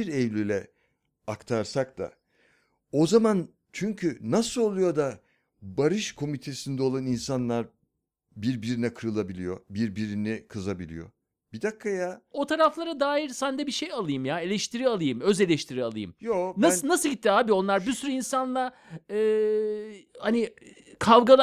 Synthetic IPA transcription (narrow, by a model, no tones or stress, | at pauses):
iɾɛvlʲilʲɛ | akt̪ʰaɾsak̚t̪a̰ | o̞zaman | t͡ʃʰyɲcʰynasɯlˠo̞lˠujo̞d̪a | baɾɯʃkʰo̞mit̪ʰe̞sind̪ɛo̞lˠaninsanlˠaɾ | biɾbiɾinɛkʰɯɾɯlˠabilʲḭjo̞biɾbiɾinikʰɯzabilʲḭjo̞̰ | b̥id̪akʰːajao̞t̪ʰaɾaflˠaɾad̪aːjiɾsænd̪ɛbiʃejalˠɯjɯmjae̞lʲɛʃt̪ʰiɾialˠɯjɯmø̞ze̞lʲɛʃt̪ʰiɾialˠɯjɯ̰mjonanasɯlˠɟit̪ːiaːbio̞nlˠaɾbisyɾyinsanlˠa | ɯː | hanɪ | kʰavɡalˠ